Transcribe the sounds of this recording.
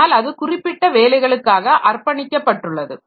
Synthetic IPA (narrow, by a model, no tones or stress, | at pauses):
aːlɐðɯkʊrɪpːɪʈːɐʋeːlɐɪɣɐɭɯkːaːɣɐʔɐrpɐɳɪkʲːɐpːɐʈːɯɭːɐðɯ̰